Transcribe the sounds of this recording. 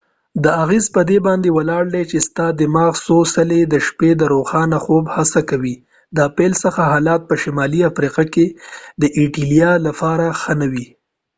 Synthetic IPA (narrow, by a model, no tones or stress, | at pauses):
d̪əaɣezpəd̪ebɑnd̪ewalɑɽd̪et͡ʃest̪ɑd̪ɪmɑɣsosaled̪əʃped̪əɾoxɑnaxobhasakawi | d̪apelsəxaɦɑlɑt̪̚pəʃɪmɑliafɾiqaked̪əʔiʈilijɑlapɑɾaxənawi